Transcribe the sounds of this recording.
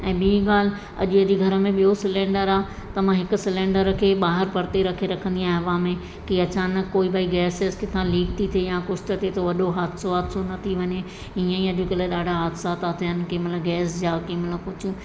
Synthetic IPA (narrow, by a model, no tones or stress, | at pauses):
ɛ̃ːɓɪiɠaːl̤ɪ | ɐ̰ʄʊɐd͡ʑiɡʱɐɾəmẽɓijosɪlẽːɳɖəɾaː | t̪ɐʋ̤ãɦɪkʊ̆sɪlẽːɳɖəɾkʰeːɓaːɦɪɾpɐɽt̪eɾɐkʰeɾɐkʰə̃nd̪iaːɦɪʋãmẽ | kiɐt͡ɕaːnəkːoːibaːiɡɛːsɪzkɪt̪ʰãliːʈ̚t̪ʰit̪ʰejãkʊt͡ʃʰt̪ət̪ʰet̪oʋɐɗoɦaːd̪soaːd̪sonɐt̪ʰiʋɐɲe | iːə̃iɐʄʊkɪleɗaːɖʱaɦaːd̪sat̪at̪ʰiɦənɪ̆kɪ̃mɪlɡɛːsd͡ʑaːkɪmɪləkʊd͡ʑʱʊ̆